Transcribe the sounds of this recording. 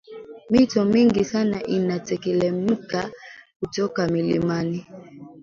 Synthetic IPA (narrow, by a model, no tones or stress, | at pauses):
mitɔmiŋɡisanaʔinatɛkɛlɛm̩kakutɔkamilḭmani